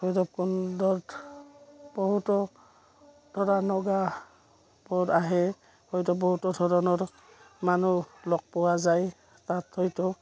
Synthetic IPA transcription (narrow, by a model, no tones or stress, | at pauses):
hɔjdɔp̚kundɔt | bɔɦutɔ | d̥ʱɔɹanɔɡa | bɔdaɦɛ | hɔjtɔbɔɦutɔdʱɔɹɔnɔɹ | manulɔk̚pɔwazaj | tathɔjtɔ